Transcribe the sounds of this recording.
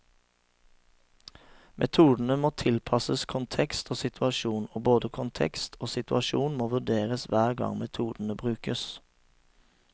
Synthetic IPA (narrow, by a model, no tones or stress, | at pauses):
mʔɛt̪ʰuːd̪n̩əmoːt̪ʰɪlpʰɑsəskʰʊnt̪ʰɛkst̪ʰoːsɪt̪ʰʉɑʃuːnoːboːd̪əkʰʊnt̪ʰɛ̰kst̪ʰoːsɪt̪ʉɑʃuːnmoːʋʉd̪eːʁəsʋæːʁɡɑ̰ŋmɛt̪ʰuːd̪n̩əbʁʉːkəs